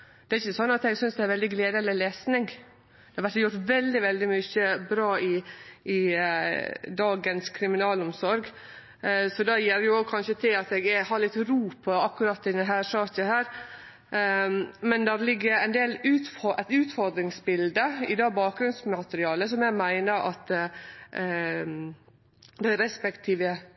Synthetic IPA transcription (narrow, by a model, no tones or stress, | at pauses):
d̪̥ɛæɾɪçːəsɔnːɑt̪ɛɡsʏnsd̪ɛæɾʋɛld̪ɪɡleːd̪əɛlːəleːsnɪŋ | d̪̥ɛhɑɾʋæɾʈ̪jʊɾʈt̪ʋɛld̪ɪʋɛld̪ɪmʏçəbɾɑːɪɪ | d̪ɑːɡənskʰɾɪmɪnɑːlɔmsɔɾɡ | sɔd̪ɑjɛɾjʊoɡkʰɑnʃət̪ʰɪlɑt̪ɛɡɛhɑɾɭɪt̪ːɾuːpʰɔɑkːʉɾɑːt̪ːɪd̪ɛnɦæːɾʂɑːt̪əhæːɾ | mɛnd̪æɾlɪɡːəɾæɪnd̪eːlʉːt̪fɔʔɛt̪ʉːt̪fɔɾd̪ɾɪŋsbɪld̪əɪd̪ɑːbɑːk̚ɡɾʉnsmɑt̪əɾɪɑːləsɔmjɛɡmæɪnəɾɑ̰t̪ | d̪æɪɾɛspɛkt̪ʰiːʋə